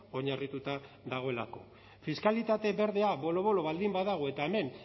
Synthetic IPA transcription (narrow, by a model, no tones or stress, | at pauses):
o̞ɲarit̪ut̪a | ðaɣ̞o̞e̞lako̞̰ | fiskalit̪at̪e̞be̞ɾðe̞aβo̞lo̞βo̞lo̞βald̪imbaðaɣ̞oe̞t̪aeme̞n